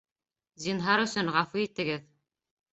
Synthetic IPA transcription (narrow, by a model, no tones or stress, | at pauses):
zinɦɑɾɵ̆sɵŋʁɑfuit̪ɘ̆ɡɘð